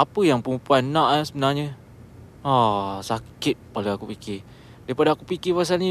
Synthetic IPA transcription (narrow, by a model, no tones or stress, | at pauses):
apəjaŋpəŋumpuanːãʔasəbənarɲə | asakɪt̪̚paluakupikɪ | daɾipadaːkupikɪpas̬alɲi